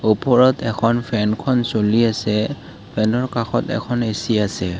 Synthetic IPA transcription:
opɔɹɔtɛkʰɔnpʰɛnkʰɔnsoliasɛ | pʰɛnɔɹkaxɔtɛ̰kʰɔnesiasɛ

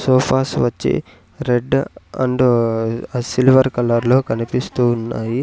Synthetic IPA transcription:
sɔːpʰaːsʋɐt͡ʃːḭ | ɾeɖɐ̰ɳɖ | silʋɐɾkɐlɐɾlo̞ːkɐnipist̪uːnːaːji

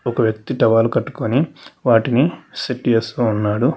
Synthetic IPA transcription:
ɔkɐʋjɐk̚t̪iʈɐʋaːlukɐʈːu̥koniʋaːʈinisiʈːijɐsounːaːɽu

